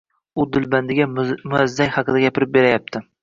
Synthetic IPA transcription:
ʊd̪ɪlband̪ɪɡʲamʊazːaŋhɑqɨd̪aɡʲapɪɾɪp̚be̞ɾajap̚t̪ʰɪ

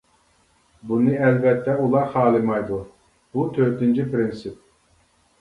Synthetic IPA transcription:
bunɨɛlvɛt̪ʰːɛulˠɑɾχɑːlˠɨmɑjd̪u | but̪ʰøɾt̪int͡ʃʰipʰɾɪnsɪp̚

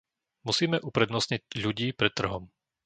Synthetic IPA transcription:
musiːmɛʔupɾɛd̪nɔsɲiɟʎuɟiːpɾɛt̪ːr̩ɦɔm

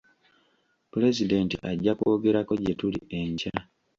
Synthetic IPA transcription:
pule̞zide̞ːntḭʔaɟːako̞ːɡe̞ɾako̞ɟetulḭe̞ɲca

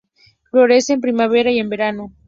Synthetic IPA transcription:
flo̞ɾeseːmpɾimaβeɾaie̞mbe̞ɾano

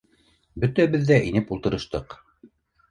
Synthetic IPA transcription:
bɵt̪æβɘðːæʔinɘpulˠt̪ɤ̆ɾɤ̆ʃt̪ɤq

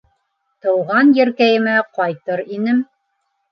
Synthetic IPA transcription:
t̪ɤ̆wʁɑnjɘ̆ɾkæjɘ̆mæqɑjt̪ɤɾinɘm

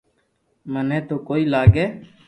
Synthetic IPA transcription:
mənẽːt̪oːkoːiːlaːɡeː

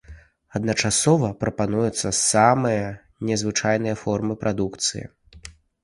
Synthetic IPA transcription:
ɐd̪nɐt͡ʂasɔvɐpɾɐpanujut̪sːɐsamɨjɐ | nʲɛzvɨt͡ʂajnɨjɐfɔrmɨpɾʔad̪ukt̪sɨ̰jḭ

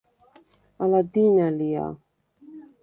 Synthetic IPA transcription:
alad̪inalija̰

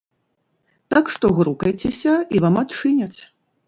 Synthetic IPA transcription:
t̪akʂt̪ɔɣɾukɐjt͡sʲesʲɐivamɐt̪t͡ʂɨnʲɐt͡sʲ

